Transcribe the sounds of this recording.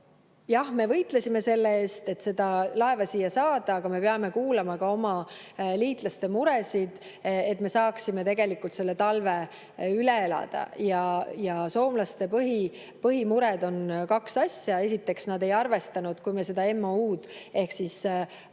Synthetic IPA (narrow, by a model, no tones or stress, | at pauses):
jɑhme̞vɤjt̪ˑlesʲime̞se̞lːeeːst̪e̞t̪ːse̞d̪̥ɑlɑe̞vɑsiːjːɑsɑːd̪̥ɑːɡ̥ɑme̞peɑme̞kuːlɑmɑkɑo̞mɑliːt̪ˑlɑst̪e̞muɾesid̪̥ | e̞t̪ːˑme̞sɑːksime̞t̪e̞ɡ̥e̞likult̪se̞lːe̞t̪ɑlve̞ | yle̞elɑ̰d̪̥ɑ̰jɑjɑso̞ːmlɑst̪e̞pɤɦi | pɤɦimuɾed̪̥o̞nkɑksɑsʲjɑe̞s̬ʲit̪ːˑe̞ksnɑd̪e̞jɑrve̞st̪ɑnud̪̥kujmese̞d̪̥ɑe̞mːouːd̪e̞hksis